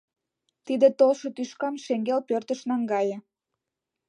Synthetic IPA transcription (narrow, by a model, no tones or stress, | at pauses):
t̪id̪et̪olʃŏt̪yʃkɑmʃeŋɡelpørt̪ə̆ʃnɑŋɡɑjə̆